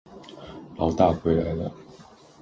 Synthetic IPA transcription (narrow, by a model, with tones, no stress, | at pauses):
lɑ˨˧˥ʊt̪a˥˩xwe˧˥ɪla˧˥ɪlə˧